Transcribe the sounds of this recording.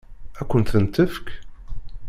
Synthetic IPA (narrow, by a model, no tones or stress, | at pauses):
ækʷːənt̪ənt̪əfk